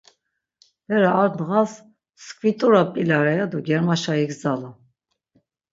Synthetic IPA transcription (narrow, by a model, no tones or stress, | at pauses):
hɛɾaːɾnɣas | skʰʼvit̪ʼuɾapʼilaɾɛjad̪uɡɛɾmaʃaiɡzalu